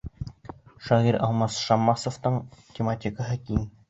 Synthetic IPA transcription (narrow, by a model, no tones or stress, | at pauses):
ʃɑʁiɾɑlˠmɑsʃɑmːɑsŏft̪ɤɴtʲemat̪ʲikəɦɤkʲin